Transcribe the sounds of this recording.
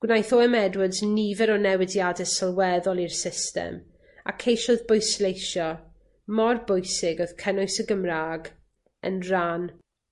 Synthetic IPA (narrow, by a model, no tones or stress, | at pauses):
ɡ̥wnajθɔɛmɛdwɪdznivɛɾɔnɛwɪdjadɛsəlˠwɛðɔlˠirsɪstɛ̰m | a̰kʰejʃʊðbojslejʃɔ | mɔrbʊjsɪɡɔð̥kʰənʊjsəɡəmraːɡ | ə̰nran